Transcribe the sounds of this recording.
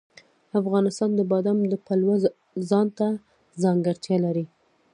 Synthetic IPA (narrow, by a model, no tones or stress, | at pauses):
afɣɑnɪst̪ɑnd̪əbɑd̪amd̪əpalwa | zɑnt̪a | zɑŋɡəɾt̪jɑlaɾi